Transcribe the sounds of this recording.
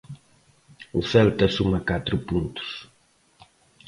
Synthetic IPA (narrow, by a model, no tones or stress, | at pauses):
uθɛlt̪ɐsumɐkat̪ɾʊpũnt̪u̥s